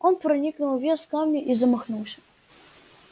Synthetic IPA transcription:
onpɾɐnʲiknulˠvʲeskamnʲɪʔizəmɐxnulˠsʲə̥

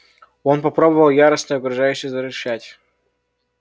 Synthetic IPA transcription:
o̞npɐpɾo̞bəvəlˠjaɾəsnəjɐkɾʊʐajʏɕɪjzəɾʲɪʂætʲ

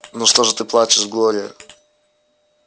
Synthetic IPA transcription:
nuʂt̪oʐɨt̪ɨplˠat͡ɕɪʂvɡlˠoɾʲɪjə̰

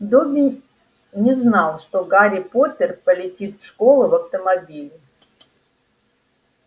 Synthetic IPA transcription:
d̪obʲɪ | nʲɪznɑlˠʂt̪oɡaɾʲɪpot̪ʲərpəlʲɪtʲit̪fʂkolˠʊvɐft̪əmɐbʲilʲɪ

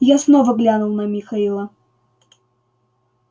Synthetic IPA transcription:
jasnovəɡlʲanʊlˠnɐmʲixɐilˠə

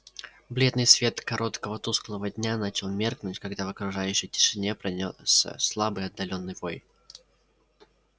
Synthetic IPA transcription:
blʲe̞d̪nɨjsvʲe̞t̪kɐɾo̞t̪kəvət̪usklˠəvədʲnʲanat͡ɕɪlˠmʲe̞rknʊtʲkɐɡd̪avəkɾʊʐajʉɕːəjtʲɪ̥ʂɨnʲe̞pɾɐnʲosə̰slˠabɨjɐd̪ːɐlʲo̞nːɨjvo̞j

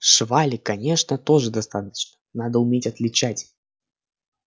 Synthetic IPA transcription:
ʂvalʲɪkɐnʲe̞ʂnət̪o̞ʐɨd̪ɐst̪at̪ə̥t͡ɕnənad̪əʊmʲetʲɐt̪lʲɪt͡ɕætʲ

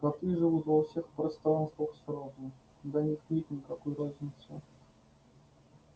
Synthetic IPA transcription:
kak̚t̪ɨʐɨvut̪vɐfsʲexpɾɐst̪ɾanst̪vəxsɾod̪ʊ | d̪anʲixmʲit̪̚ʲnʲɪkakɔjrazʲnʲɪt̪sʊ

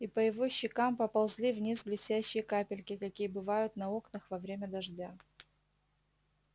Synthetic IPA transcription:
ipəjɪvo̞ɕːɪkampɐpɐlˠzʲlʲivnʲisblʲɪsʲtʲæɕːɪjəkapʲɪlʲkʲɪkɐkʲijəbɨvajʊt̪nɐo̞knɐxvɐvɾʲemʲəd̪ɐʐdʲa

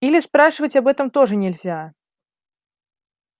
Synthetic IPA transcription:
ilʲispɾaʂɨvɐt͡sʲabɛt̪ɐmt̪ɔʐɨnʲɛlʲzʲa

